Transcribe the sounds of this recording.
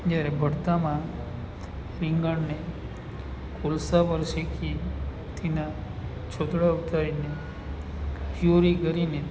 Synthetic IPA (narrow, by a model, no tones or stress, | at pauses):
d͡ʒjaɾebʱəɽt̪amã | ɾiŋɡəɳne | kʰolsapəɾʃekʰi | t̪ʰena | t͡ʃʰod̪ɽaut̪aɾine | joɾikəɾine